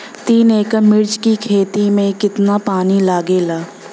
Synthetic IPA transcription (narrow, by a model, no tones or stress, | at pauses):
t̪iːneːkəmɪɾd͡ʒkikʰeːt̪imẽkɪt̪napaːnilaːɡeːlaː